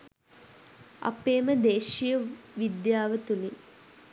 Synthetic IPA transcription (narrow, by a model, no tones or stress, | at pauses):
ɐ̰peːməd̪eːʃijəʋid̪jaːʋət̪ulin